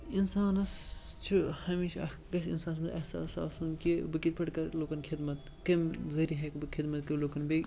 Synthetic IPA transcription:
insaːnɐst͡ʃʰuhɐmiːʃɐ̰ɐ | kɐsḭnsaːnsmɐt̪ɐhsa̰ːsa̰ːsunkibɨkit̪̚pʰɐʈkɐɾloːkɐnkʰid̪mɐt̪ | kɐmzɐɾiɦɐkbɨkʰid̪mɐt̪̚kɐloːkɐnbe

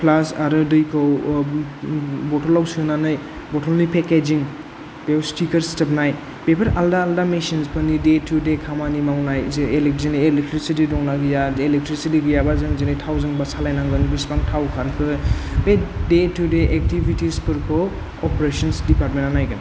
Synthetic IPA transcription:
pʰlasaɾɯdɯjkʰɔw | bɔtɔlawsiɔnanɯj | bɔtʰɔlnipeked͡ʒiŋ | pewstikɐɾstepnaj | pepʰɐɾaldaːldamesinspʰɯnidetʰudekʰamanimawnajzelek̚zinajelek̚tɾisitidɔŋnaɡijaelek̚tɾisitiɡijabazɯŋzinɯjtʰawzɯŋbasalajnaŋbɯnibispaŋtʰawkʰalkʰɯbedetʰudeʔek̚tibʱitispɯɾkʰɔ | ɔpɾesɔnsdipaɾtmẽnanajɡɯn

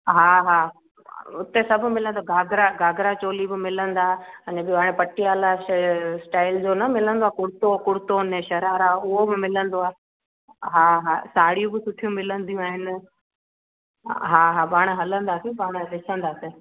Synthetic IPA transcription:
ɦaːɦaː | ʊt̪esɐbʱʊ̆mɪlə̃nd̪oaːɡʱaːɡʱɾaɡʱaːɡɾat͡ɕoːlibɪmɪlə̃nd̪aːɐɲə̃bɪɦaːɽ̃ẽpɐʈiaːlasʈaːɪld͡ʑoːnɐmɪlə̃nd̪oaːkʊɽt̪okʊɽt̪oːneʃɐɾaːɾaːʊɦobɪmɪlə̃nd̪oaː | ɦaːɦaːsaːɽijũbɪsʊʈʰijũmɪlə̃nd̪ijũaːɦɪnɪ̆ | ɦaːɦaːpaːɽ̃̆ɦɐlə̃nd̪aːsĩpaːɽ̃lɪsʰə̃nd̪aːsɪ

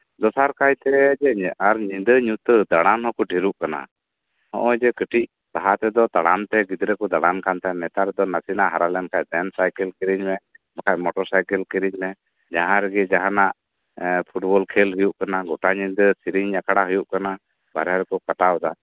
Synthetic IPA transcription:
d̪ɔsaɾkajt̪ɛd͡ʒɛaɾɲind̪əɲut̪əd̪aɽanɦɔkɔɖʱiɾuʔkana̰ | hɔ̰̃ʔɔd͡ʒɛkəʈʰic̚ | t̪aɦat̪ɛd̪ɔt̪aɽamt̪ɛɡid̪ɾɛkɔd̪aɽankant̪ɛmɛt̪aɾɛd̪ɔnasinaʔɦaɾalɛnkac̚ˀd̪ɛnsajkɛlkiɾiɲmɛmakʰaʔ̚mɔʈɔɾsajkɛlkiɾiɲmɛ | d͡ʒaɦãɾɛɡɛd͡ʒaɦanaʔ | pʰuʈbɔlkʰɛlɦujuʔkanaɡɔʈaɲind̪əsiɾiɲɲakaɽaɦujuʔkana | ba̰ɾaɾɛkɔkaʈawɔd̪a

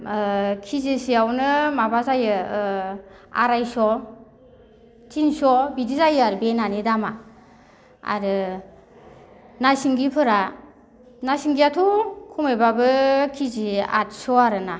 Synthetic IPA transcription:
kʰizisiawnɯmabazajɯ | a̰ɾajsɔ | tʰinsɔbidizajɯaɾɯbenanidama | a̰ɾɯ | nasiŋɡipʰɯɾa | nasiŋɡiatʰukʰumejbabɯkʰizia̰t̚sɔaɾɯna

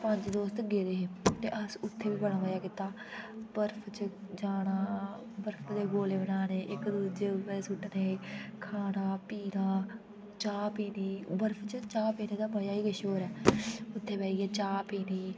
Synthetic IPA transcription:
pəɲd͡ʒd̪oːst̪ɡeːd̪eːɦeːt̪ḛːʔəsʊt̪ʰːeːʋiːbəɽãːʋəjaːkɪt̪aː | bəɾpʰt͡ʃəd͡ʒaːɽaː | bəɾpʰd̪eːɡoːleːbənaːneːʔɪkd̪uːd͡ʒeːbəːsuʈneːkʰaːnaːpiːnaː | t͡ʃaːpiːniːbəɾpʰt͡ʃət͡ʃaːpiːnẽːd̪aːbəjaːiːɡəʃoːɾɛːʊt̪ʰːeːpɛːiːɛːt͡ʃaːpiːniː

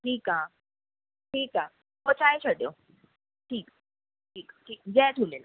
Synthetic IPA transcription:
ʈʰiːka | ʈʰiːka | ɦot͡ɕaet͡ɕəɽjo | ʈʰiːk | ʈʰiːkʈʰiːk̚d͡zɛtʰulena

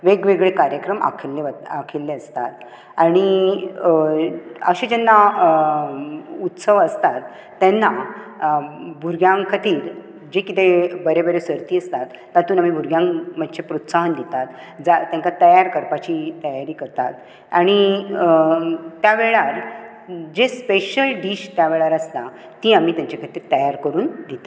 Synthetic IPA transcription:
ʋeɡʋeɡɭekaɾjəkɾəma̰kʰelːeəakʰelːeəst̪at̪ | aɽ̃i | ə̰ɕed͡ʑenːa | ut̪səʋəst̪at̪ː | ɛnːa | bʱuɾɡjãŋkʰət̪iːɾ | d͡ʑekit̪ebəɾebəɾesəɾt̪iːəst̪at̪ːat̪uːnamibʱuɾɡjãŋm̤əd̪ɕʰepɾot̪saɦənd̪it̪at̪ | d͡zat̪jãŋkat̪əjaɾkəɾpat͡ɕit̪əjaɾiːkəɾt̪at̪ | aɽ̃i | t̪jaʋeɭaɾ | d͡ʑespeɕəlɖiɕt̪jaʋeɭaɾəst̪a | t̪iamiːt̪jãɲt͡ɕakʰət̪iːɾt̪əjaɾkəɾuːnd̪it̪e̥

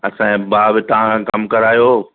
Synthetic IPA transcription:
ɐsãːbaːbɪt̪ɐãkɐmkɐɾaːjoː

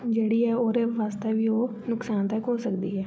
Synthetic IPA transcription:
d͡ʒeːɽiːɛːoːɾeːʋaːst̪ɛːʋiːoː | nʊksaːnt̪ɛkɦoːsəkd̪iːɦɛː

